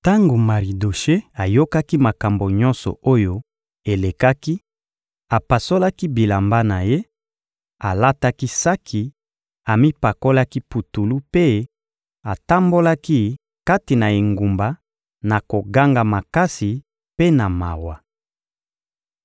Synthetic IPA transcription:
ta˦ŋɡo˨ma˨ʁi˨do˨ʃe˦a˨jo˦ka˦ki˦ma˨ka˨mbo˨ɲɔ˦nsɔ̰˨o˦jo˦ | e˨le˨ka˦ki˦ | a˨pa˨so˦la˦ki˦bi˨la˨mba˦na˨je˦ | a˨la˦ta˦ki˦sa˦kʰi˨ | a˨mi˦pa˨ko˦la˦ki˦pu˨tu˨lu˦pe˦ | a˨ta˦mbo˦la˦ki˦ | ka˦ti˨na˨e˨ŋɡu˨mba˨ | na˨ko˨ɡa˦ŋɡa˨ma˨ka˦si˨ | pe˦na˨ma̰˨wa˨

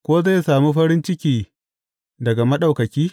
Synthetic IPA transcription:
kʷoː˦za˦˨jsaː˨muː˦ɸɐ˦ɾɪ˦nt͡ʃɪ˦kʲiː˨ | dɐ˨ɡa˨mɐ˦ɗa˨wkɐ˨kʲiː˦

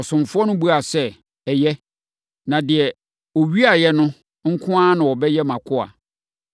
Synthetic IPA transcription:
ɔ˨sʊ̃˨mfʊ˦ɔ˦nʊ̃˦bu˦a˨sɛ˦ | ɛ˨jɛ˦ | nã˨dɪ˨ɛ˨ | o˨ɥi˦a˨jɛ˦nʊ̃˦ | ŋ̩˦kʰʊ̃˦ã˦nã˨wɔ˨bɛ˦jɛ˦mã˨kʰʊ˦a̰˨

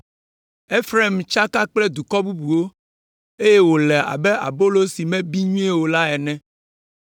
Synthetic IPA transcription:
e˦fɾe˦mt͡ʃa˦ka˦k͡plɛ˦d̪u˨kɔ˦bu˦bu˨wo˦ | e˦je˦wo˨lɛ˨a̰˨bɛ˦ʔa̰˨bo˦lo˦si˨mɛ̃˦bi˦ɲũ˦ɛ˦wo˨la˦ɛ˨nɛ̃˦

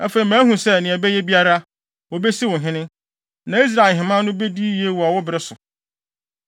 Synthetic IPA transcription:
æ˦fe˨i˨mæ̃ː˦ɦũ˨sɛ˦˨nɪ̃˨æ˨bɛ˦jɛ˦bi˦a˦ɾa˦ | wo˨be˦si˦wʊ̃˨ɦɪ̃˦nɪ̃˦ | nã˨i˦s̬ɾa˨ɦɪ̃˨mã˦nʊ̃˦be˦di˦je˦wɔ˨a˨wʊ˦bɪ˨ɾɪ˦sʊ˨

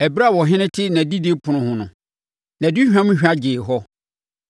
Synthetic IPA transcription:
ɛ˨bɾa˦˨wɔ˨ɦɪ̃˦nɪ̃˦tʰɪ˦nã˨di˦de˦pʰʊ˨nʊ̃˦hʊ̃˨nʊ̃˨ | nã˨di˦hᶣã˦mʊ̃˦ɕᶣa˦d͡ʑɪː˨ɦɔ˦

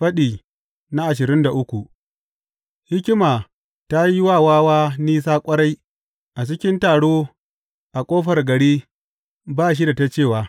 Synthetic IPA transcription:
ɸɐ˦ɗiː˨ | na˦ʔa˨ʃɪ˨ɾɪ˦nda˨ʔʊ˦kʷu˨ | hɪ˦kʲɪ˦maː˨ | ta˦ji˦waː˦˨waː˦waː˦niː˦s̬aː˦kʷʼɐ˦ɽa˦j | ʔa˨t͡ʃɪ˦kʲɪ˦ntaː˨ɽoː˦ | ʔa˨kʷʼoː˦ɸɐ˨rɡɐ˨ɽiː˦ | baː˦˨ʃ̬i˦da˨ta˦t͡ʃeː˦˨waː˨

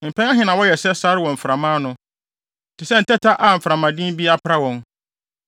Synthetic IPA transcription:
m̩˨pʰɛ˦a˦ɦɪ̃˦nã˨wɔ˦jɛ˨sɛ˦sa˦ɾɪ˦wɔ̃˨m̩˨fɾa˨mãː˦nʊ̃˦˨ | tʰɪ˨sɛ˦n̩˨tʰɛ˦tʰa˦ʔa˨m̩˨fɾa˨mã˨dĩ˦m˦bi˦a˦pʰɾa˦wɔ̃˨n

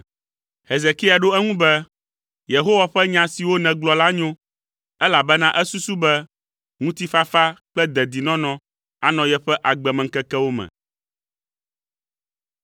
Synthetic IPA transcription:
he˨ze˨ki˦a˨ɖo˦ɛ˦ŋũ˦bɛ˦ | je˨ɦo˦wa˨ɸɛ˦ɲã˦si˨wo˦nɛ̃˨ɡlɔ˨la˦ɲõ˦ | ɛ˦la˨bɛ˦nã˦ʔɛ˦su˦su˦bɛ˦ | ŋũ˦t̪i˦fa˦fa˦k͡plɛ˦d̪ɛ˨d̪i˨nɔ̃˦nɔ̃˨ | a˨nɔ̃˨jɛ˦ɸɛ˦ʔa˨ɡ͡bɛ˨mɛ̃˨ŋ̩˦kɛ˦kɛ˦wo˦mɛ̰̃˨

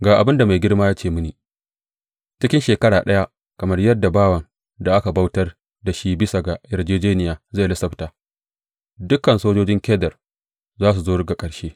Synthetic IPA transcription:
ɡaː˨ʔa˨bɪ˦nda˨ma˨jɡʲɪ˦rmaː˦jaː˦t͡ʃeː˦˨mʊ˦niː˨ | t͡ʃɪ˦kʲɪ˦nʃeː˨kɐ˦ɽaː˨ɗɐ˦ja˦ | kɐ˨mɐ˦rjɐ˦dːa˨baː˦wɐ˨n | da˨ʔa˦ka˨ba˦wtɐ˦r | da˨ʃi˦bɪ˦sa˨ɡa˨jɐ˨rd͡ʒeː˦d͡ʒeː˦nɪ˨jaː˨za˦˨lɐ˦sɐ˦btaː˨ | dʊ˦kɐ˨nsoː˦d͡ʒoː˦d͡ʒɪ˦ŋkʲɛː˦dɐ˨r | zaː˦s̬u˨zoː˦ɽɪ˦ɡa˨kʼɐ˨ɽʃeː˦

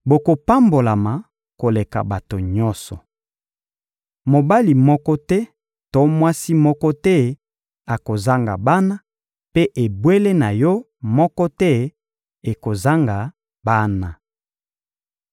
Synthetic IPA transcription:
bo˨ko˨pa˦mbo˨la˨ma˨ | ko˨le˨ka̰˨ba˨to˨ɲɔ˦sɔ̰˨ | mo˨ba˦li˨mɔ˦kɔ˦tɛ˦ | to˦mwa˦si˦mɔ˦kɔ˦tɛ˦ | a˨ko˨za˦ŋɡa̰˨ba˦na˦ | pe˦ʔe˨bwe˦le˦na˨jɔ˦ | mɔ˦kɔ˦tɛ˦ | e˨ko˨za˦ŋɡa˨ | ba˦na˨

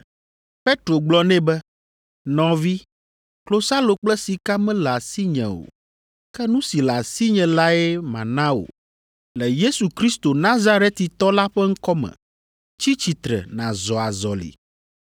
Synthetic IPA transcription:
ɸe˦t̪ɾo˨ɡ͡blɔ˦nɛ̃˦bɛ˦ | nɔ̃˨vi˦ | klo˦sa˦lo˨k͡plɛ˦si˨ka˦mɛ̃˦la˨si˦ɲɛ̰̃˨o̰˨ | kɛ˦nũ˦si˨la˨si˦ɲɛ̃˨la˦ɛ˦mã̰˨nã˦o̰˨ | lɛ˨je˦su˨kɾi˦st̪o˨nã˦za˦ɾe˦t̪i˨t̪ɔ˦la˦ɸɛ˦ŋ̩˦kɔ˦mɛ̰̃˨ | t͡ɕi˦t͡ɕi˨t̪ɾɛ̰˨nã˨zɔ˨a˨zɔ˨lḭ˨

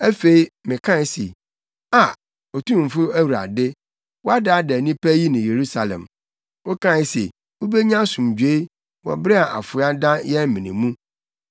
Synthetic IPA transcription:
æ˦fe˨i˦mɪ̃˨kʰã˦ɪ˦se˨ | a˨ | ɔ˨tʰũ˦˨m̩˨fʊ˦æ˦wu˨ɾa̰˨dɪ˦ | wɔ˦a˦da˦dɛ˨nĩ˦pæ˦ji˦nʊ̃˨je˨ɾu˦sa˨lɛ̰̃˨m | wo˦kʰã˦ɪ˦sḛ˨ | wo˦be˦ɲã˦sũ˨md͡ʑᶣe˦i˦ | wɔ̰˨bɾɛ˦a˨ʔa̰˨fʊ˨˦a˦dã˦jɛ˦m̩˦mĩ˨nĩ˨mũ˦

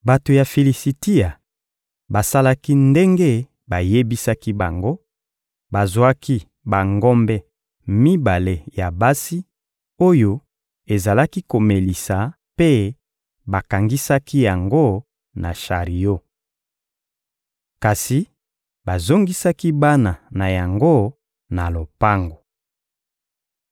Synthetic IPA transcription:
ba˨to˨ja˨fe˨li˨si˨ti˦a˨ | ba˨sa˦la˦ki˦nde˦ŋɡe˦ | ba˨je˦bi˦sa˦ki˦ba˨ŋɡo˦ | ba˨zwa˦ki˦ | ba˨ŋɡɔ˦mbɛ˦ | mi˦ba˨le˦˨ja˨ba˦si˦ | o˦jo˦ | e˨za˨la˦ki˦ko˨me˨li˨sa˨ | pe˦ | ba˨ka˨ŋɡi˦sa˦ki˦ja˨ŋɡo˦ | na˨ʃa˨ʁi˨jo˦ | ka˨si˨ | ba˨zo˦ŋɡi˦sa˦ki˦ba˦na˨na˨ja˨ŋɡo˦ | na˨lo˨pa˦ŋɡo˨

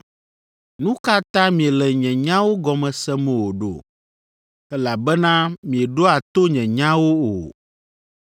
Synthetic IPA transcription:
nũ˦ka˦t̪ã˦mĩ˨ɛ˨lɛ˨ɲɛ̃˨ɲã˦wo˦ɡɔ˨mɛ̃˨sɛ˦mɛ̃˨wo˨ɖo̰˨ | ɛ˦la˨bɛ˦nã˦mĩ˨ɛ˨ɖo˦a˨t̪o˦ɲɛ̃˨ɲã˦wo˦o̰˨

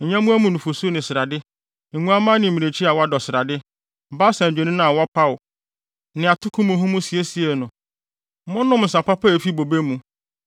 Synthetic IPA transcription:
ɲ̩˨ɲã˦mũ˦æ˦mũ˨nũ˨fo˨so˦nɪ̃˨sɪ˨ɾa˨dɪ˦ | ŋ̩˨ŋũ˦a˦mã˦nɪ̃˨m˨mĩ˨ne˨t͡ɕʰi˦a˨wɔ˦a˦dɔ˨sɪ˨ɾa˨dɪ˦ | ba˦sã˨d͡ʑᶣe˨nĩ˦nã˨wɔ˦pʰa˦ʊ˨ | nɪ̃˨a˨tʰʊ˦kʰʊ̃˦mũ˨ɦũ˦mũ˦si˨e˦si˨e˨nʊ̃˨˦ | mʊ̃˦nʊ̃˦mn̩˨s̬a˨pa˦pʰa˦e˨fi˦bo˨be˦mũ˦

